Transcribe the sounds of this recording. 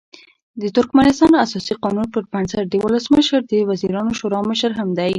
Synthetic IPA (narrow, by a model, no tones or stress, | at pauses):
d̪ət̪ʊɾkmanɪst̪ɑnasɑsiqɑnunpəɾpansaɾd̪əwʊləsməʃəɾd̪əwaziɾɑnoʃoɾɑməʃəɾɦamd̪aj